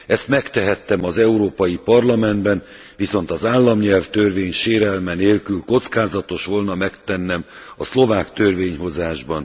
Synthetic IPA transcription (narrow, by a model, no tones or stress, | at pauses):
ɛst̪mɛkt̪ɛɦɛt̪ːɛmɒzɛuɾoːpɒjipɒrlɒmɛnd̪bɛn | viso̞nt̪ɒzaːlːɒmɲɛlft̪ørveːɲʃeːɾɛlmɛneːlkylko̞t̪skaːzɒt̪o̞ʃʋo̞lnɒmɛkt̪ɛnːɛm | ɒslo̞vaːkt̪ørveːɲho̞zaːʒbɒn